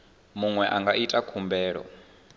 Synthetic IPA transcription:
muŋwɛʔaŋɡaʔitʼakʰumbɛːɺɔ̰

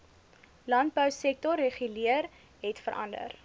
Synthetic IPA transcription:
lɐnt̚bəwsɛk̚tɔrːeχyliər | ɦɛtfəɾʔɐ̰ndə̰r

